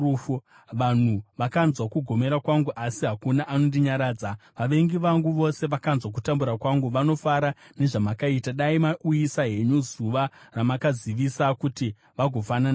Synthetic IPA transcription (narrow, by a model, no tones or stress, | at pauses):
u | ʋan̤uʋakanzwakuɡʱo̞me̞ɾakwaŋɡuʔasiɦakunaʔanondiɲaɾaːd͡zaʋaʋe̞ŋɡiʋaŋɡuʋo̞se̞ʋakanzwak̬utambuɾakwaŋɡuʋano̞faɾane̞ʐamakaitaɗaimaʔujisaɦe̞ɲuzuʋaramakaziʋisakuti | ʋaɡʱo̞fanana